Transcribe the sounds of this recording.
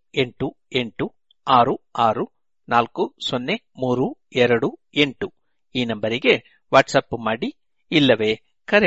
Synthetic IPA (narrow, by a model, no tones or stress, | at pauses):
e̞ɳʈu | e̞ɳʈu | aːɾuaːɾu | naːlkusonːe̞ | muːɾu | ɛɾɐɽu | e̞ɳʈu | iːnɐmbɐɾiɡe̞ | ʋaːʈsɐpːmaːɽi | ilːɐʋeː | kɐɾe